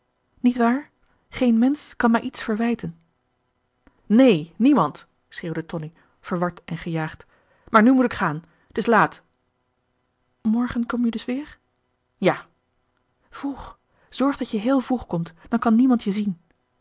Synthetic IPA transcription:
nitʋaːɹ | χejnmɛnskɑnmaːjʔitsfəɹʋɛjtən | nejnimɑnt | sχeːwdətɔni | v̥əɹʋɑɹtɛnχəjaːχt | maːɹnymutɪkχaːn | tɪslaːt | mɔɹχənkɔmjədɵsʋɪːɹ | jaː | v̥ruχ | z̥ɔɹχdɑtjəɦɪːlˠvruχkɔmtd̥ɑnkɑnːimɑntʰjəzin

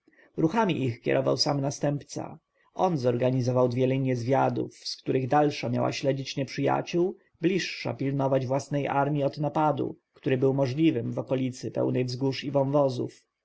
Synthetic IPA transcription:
ɾuxamʲiʔixkʲjɛ̰ɾʔɔva̰wsamnast̪ɛmpt̪sa̰ | ʔɔnzɔɾɡaɲizɔvawd̪vʲjɛlɛɲːɛzvʲjad̪ṵfskt̪uɾɘɣd̪alʂamja̰wa̰ɕlɛd͡ʑit͡ɕɲɛpʂɘja̰t͡ɕuw | blʲiʂːa̰pʲilnɔvad͡ʑvwasnɛjʔa̰ɾmʲiɔd̪napad̪ṵkt̪uɾɘbɘwmɔʐlʲivɘmvɔkɔlʲit̪sɘpɛ̰wnɛjvzɡuʂivɔwvɔzṵf

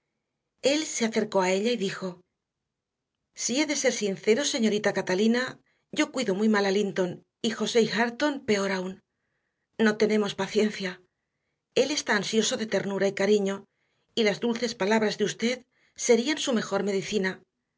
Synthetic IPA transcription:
e̞lse̞aθe̞ɾko̞ae̞ʎaiðixo̞ | sie̞ðe̞se̞ɾsinθe̞ɾo̞se̞ɲo̞ɾit̪akat̪alina | ɟ͡ʝo̞kwiðo̞mujmalalint̪o̞n | ixo̞se̞ixaɾt̪o̞mpe̞o̞ɾaun | no̞t̪e̞ne̞mo̞spaθje̞n̟θja | e̞le̞st̪aːnsjo̞so̞ðe̞t̪e̞ɾnuɾaikaɾiɲo̞ | ilazðulθe̞spalaβɾazðeust̪e̞ð | se̞ɾiansume̞xo̞ɾme̞ðiθina

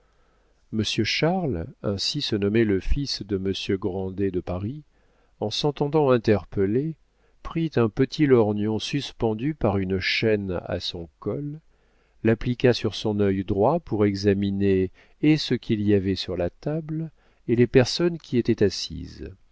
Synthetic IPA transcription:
məsjøʃaʁlɛ̃sisənɔmɛləfisd̪əməsjøɡʁɑ̃d̪ed̪əpaʁi | ɑ̃sɑ̃t̪ɑ̃d̪ɑ̃ɛ̃t̪ɛʁpəle | pχit̪ɛ̃pət̪ʰilɔʁnjɔ̃syspɑ̃d̪ypaʁynʃɛna̰sɔ̃kɔlː | aplikʲasyʁsɔ̃nœjd̪ʁwapuʁɛɡzamineː | səkʰʲiliavɛsyʁlat̪abl | elepɛʁsɔnkʲiet̪ɛt̪asḭz

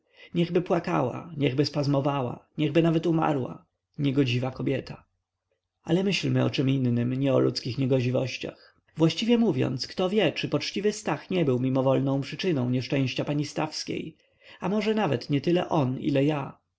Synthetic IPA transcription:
ɲɛɣbɘpwaka̰wa̰ɲɛɣbɘspazmɔvawa̰ɲɛɣbɘnavɛt̪uma̰ɾwa̰ | ɲɛɡɔd͡ʑivakɔbʲjɛt̪ʰa | alɛmɘɕlmɘɔ̰t͡ʂɛminːɘmɲɛɔlut̪skʲixɲɛɡɔd͡ʑivɔɕt͡ɕa̰x | vwaɕt͡ɕivʲjɛmuvʲjɔ̰nt̪skt̪ɔvʲjɛt͡ʂɘpɔt͡ʂt͡ɕivɘst̪axɲɛbɘwmʲimɔvɔlnɔ̃w̃pʂɘt͡ʂɘnɔ̃w̃ɲɛʂt͡ʂɛ̃w̃ɕt͡ɕapaɲist̪afskʲḛj | amɔʐɛnavɛt̪ɲɛt̪ɘlɛ̰ʔɔnḭlɛja

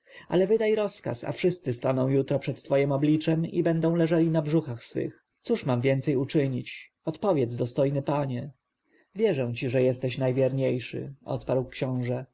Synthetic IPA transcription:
ʔa̰lɛvɘd̪ajɾɔska̰sa̰fʂɘst̪sɘst̪anɔ̃w̃jut̪ɾɔpʂɛt̪ːfɔjɛmɔblʲit͡ʂɛmḭbɛnd̪ɔ̃w̃lɛʐalʲinabʐuxaxsfɘ̰x | t̪suʂmamvʲjɛnt̪sɛjut͡ʂɘɲit͡ɕ | ɔt̪pɔvʲjɛtd̪zd̪ɔst̪ɔjnɘpaɲɛ | vʲjɛʐɛw̃t͡ɕiʐɛjɛst̪ɛɕnajvʲjɛɾɲejʂɘ̰ɔ̰t̪paɾwkɕɔ̃w̃ʐɛ

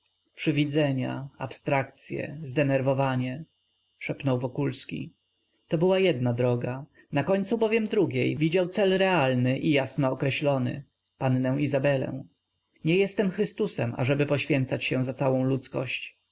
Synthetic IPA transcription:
pʂɘvʲid̪zɛɲa̰a̰pst̪ɾakt̪sʲjɛ̰zd̪ɛnɛɾvɔvaɲɛ | ʂɛpnɔwvɔkulskʲḭ | t̪ɔbɘwajɛd̪nad̪ɾɔɡa | nakɔɲʲt̪subɔvʲjɛmd̪ɾuɡʲejvʲid͡ʑawt̪sɛlɾɛalnɘʔijasnɔːkɾɛɕlɔnɘ̰ | panːɛw̃izabɛlɛ̰̃w̃ | ɲɛjɛst̪ɛmxɾɘst̪usɛma̰ʐɛbɘpɔɕfʲjɛnt̪sat͡ɕɕɛ̃zat̪sawɔ̃w̃lut̪skɔ̰ɕt͡ɕ

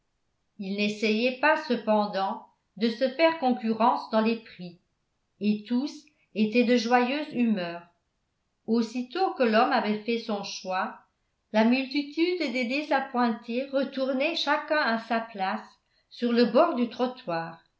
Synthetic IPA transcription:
ilnesɛjɛpasəpɑ̃d̪ɑ̃ | d̪əsəfɛːʁkɔ̃kyʁɑ̃sd̪ɑ̃lepχi | et̪us | et̪ɛd̪əʒwajøːzymœːʁ | osit̪okəlɔmavɛfɛsɔ̃ʃwa | lamylt̪it̪yd̪d̪ed̪ezapwɛ̃t̪ʰeʁət̪uʁnɛʃakɛ̃asaplasː | yʁləbɔːʁd̪yt̪χɔt̪waːʁ

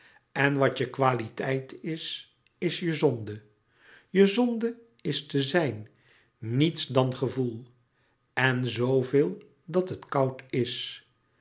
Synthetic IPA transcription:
ɛnʋɑtəkʋaːlitɛjtɪs | ɪsjəzɔndə | jəzɔndə | ɪstəzɛjnː | itsdɑnχəvulˠ | ɛnzowvɪːlˠ | dɑtɦətkɑwtɪs

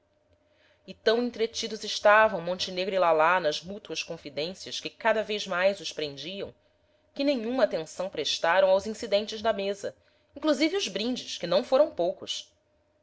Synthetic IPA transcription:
ɪt̪ɐ̃w̃ẽnt̪ɾet͡ʃid̪ʊzɪʃt̪avɐ̃w̃mõnt͡ʃineɡɾilalanɐzmut̪uɐskõfid̪ẽsiɐʃkɪkad̪ɐvezmajzʊʃpɾẽnd͡ʒiɐ̰̃w̃ | kɪnẽɲũmɐaːt̪ẽsɐ̃w̃pɾeʃt̪aɾɐ̃w̃awzĩsid̪ẽnt͡ʃɪzd̪ɐmezɐ̰ | ĩŋkluzivɪʊzbɾĩnd͡ʒɪʃkɪnɐ̃w̃foɾɐ̃w̃powkʊs

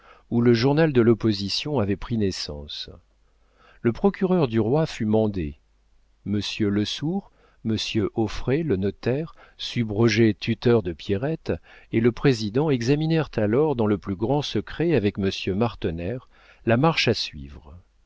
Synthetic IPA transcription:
uləʒuʁnald̪əlɔpɔzisjɔ̃avɛpχinesɑ̰̃s | ləpχɔkʲyʁœʁd̪yʁwafymɑ̃d̪ḛ | məsjøləsuʁ | məsjøʔɔfχelənɔt̪ɛʁsybʁɔʒet̪ʰyt̪œʁd̪əpjeʁɛt̪eləpχezid̪ɑ̃ɛɡzaminɛʁt̪ʰalɔʁd̪ɑ̃ləplyɡʁɑ̃səkχɛavɛkməsjømaʁt̪ɔnɛʁ | lamaʁʃasɥḭvʁ

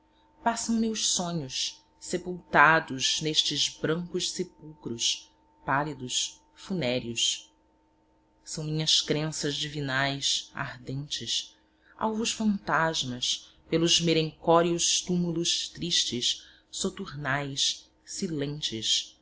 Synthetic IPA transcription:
pasɐ̃w̃mewʃsõɲʊs | sepuwt̪ad̪ʊzneʃt͡ʃɪzbɾɐ̃ŋkʊʃsepuwkɾʊs | palid̪ʊs | funɛɾjʊs | sɐ̃w̃mĩɲɐskɾẽsɐzd͡ʒivinajsa̰hd̪ẽnt͡ʃɪs | ʔa̰wvʊʃfɐ̃nt̪aʒmɐs | pelʊzmelẽŋkɔɾiʊʃt̪umulʊʃt̪ɾiʃt͡ʃɪʃ | sot̪uɾnajs | silẽnt͡ʃɪs

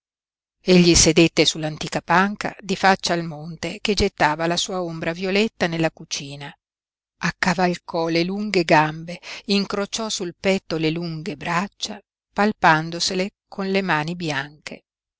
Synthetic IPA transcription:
eʎːised̪et̪ːesulːant̪iːkapaŋka̰d̪ifat͡ʃːaːlmont̪eked͡ʒet̪ːaːvalasuːaombɾavjolet̪ːanelːakut͡ʃiːna | akːavalkɔleluŋɡeɡambeiŋkɾot͡ʃɔsulpɛt̪ːoleluŋɡebɾat͡ʃːa | palpand̪oselekʰonlemaːnibjaŋkʰḛ

